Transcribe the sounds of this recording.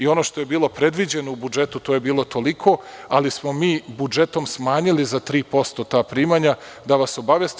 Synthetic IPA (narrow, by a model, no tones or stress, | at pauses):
io̞no̞ːʃt̪o̞je̞biːlˠo̞pɾe̞d̪ʋid͡ʑe̞noubud͡ʒe̞t̪ut̪oːjebiːlˠo̞t̪o̞likʰo̞alismo̞miːbud͡ʒe̞t̪o̞msmaːɲilizat̪ɾiːpo̞st̪o̞t̪aːpɾiːmaɲa | d̪aʋaso̞baʋjest̪